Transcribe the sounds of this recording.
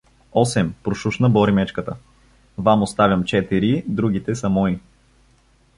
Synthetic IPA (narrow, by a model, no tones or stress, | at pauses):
ɔsɛmpɾʊʃuʃnəbɔɾimɛt͡ʃkət̪ə | vamost̪avʲjɐmt͡ʃɛt̪iɾid̪ɾuɡ̟it̪ɛsɐmɔi